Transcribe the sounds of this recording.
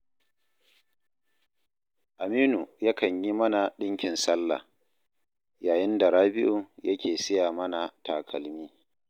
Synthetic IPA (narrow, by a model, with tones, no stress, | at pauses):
ʔa˨miː˦nu˨ja˦kɐ˨ɲji˦mɐ˦na˨ɗɪ˦ŋkʲɪ˨nsɐ˦lːa̰˨ | jaː˨jɪ˦nda˨ɽaː˦bɪ˦ʔu˨jʔɐ˦kʲeː˨sɪ˦jaː˨mɐ˦na˨taː˨kʰɐ˨lmiː˦